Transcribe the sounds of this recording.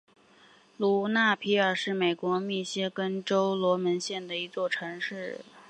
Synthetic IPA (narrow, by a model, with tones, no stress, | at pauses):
lu˨˥˩na˥˩pʰi˧˥ə˞˨˩ʂɻ̩˥˩me˨˩ɪkwɔ˧˥mi˥˩ɕjɛ˥kə˥nʈ͡ʂo˥ʊlwɔ˧˥mə˧˥nɕjɛ˥˩nd̪ə˩i˧˥t͡swɔ˥˩ʈ͡ʂʰɤ˧˥ŋʂɻ̩˥˩